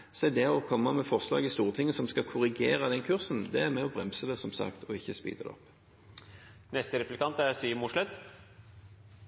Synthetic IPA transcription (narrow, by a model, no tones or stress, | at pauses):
sɛd̪ɛɔkʰɔmːɑmɛfɔʁslɑ̰ːɡɪst̪uːʁt̪ʰɪŋːəsɔmskɑkʰʊʁɪɡeːʁɑd̪ɛnkʰʉʁsn̩d̪ɛæʁmɛɔbʁɛmsəd̪ɛsɔmsɑ̰kt̪ʰɔɪçːəspḭːt̪əd̪ɛ̰ɔ̰pː | nɛst̪əɾɛplɪkɑnt̪æɾsiːəmʊʂlɛt̪